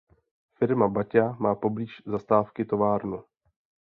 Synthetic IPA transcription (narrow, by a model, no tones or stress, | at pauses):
fɪɾmabacamaːpo̞bliːʃzast̪aːfkɪt̪o̞vaːɾnu